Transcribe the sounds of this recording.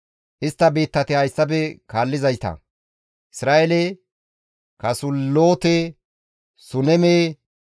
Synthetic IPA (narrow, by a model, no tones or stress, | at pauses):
ʔɪst̪ːɐbe̞ːt̪ːɐt̪ɪhɐjsːɐb̬ɛkaːlːɪzɐjt̪ɐ̰ | ʔɪsɾaːʔɛle | kɐsʊlːoːt̪e | sʊnɛmeː